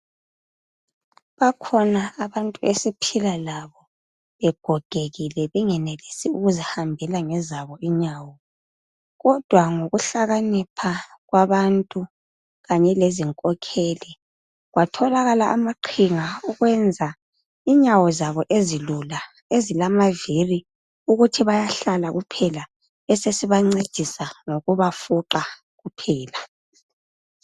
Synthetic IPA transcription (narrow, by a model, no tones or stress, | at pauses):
βakʰɔnaːβantʼuesipʰilalaβɔ | βɛɡ̥ʱɔɡ̥ʱeɣilɛβɛŋɛnelisiuɣuzihambʱɛlaŋɛzaβɔiɲawɔ | ɣɔd̥ʱwaŋoɣuɬaɣanipʰa | ɣwaβantʼu | ɣaɲɛleziŋkʼɔkʰeːli | ɣwatʰɔlaɣalaʔamaǃʰiŋauɣwɛnd͡zʱa | iɲawɔzaβɔʔezilula | ezilamaviri | uɣutʰiβajaɬalaɣupʰɛla | ɛsesiβaŋ͡ǀed̥ʱisaŋoɣuβafuǃa | ɣupʰɛːla